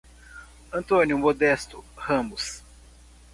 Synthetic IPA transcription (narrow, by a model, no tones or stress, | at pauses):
ɐ̃nt̪õnʲjʊmod̪ɛst̪ʊhɐ̃mʊs